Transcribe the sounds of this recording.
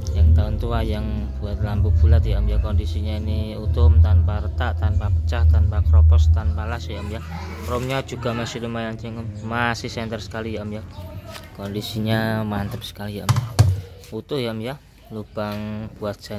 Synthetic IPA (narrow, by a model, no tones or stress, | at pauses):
jaŋt̪aʊnt̪uajaŋ | b̥uat̪̚lambub̥ulat̪̚jaʔəmjakɔndisiɲainiut̪ʊmt̪anpaɾət̪aʔt̪anpapə̥t͡ʃaht̪anpakɾɔpɔst̪anpalasjaʔəmja | romɲḁd͡ʒ̥uɡ̥amasiləmajant͡ʃiŋəmmasihsɛnt̪ərsə̥kalijaʔəmja | kɔndisiɲamant̪əp̚sə̥kalijaʔəmjaut̪ʊhjaʔəmja | lub̥aŋb̥uat̪̚sa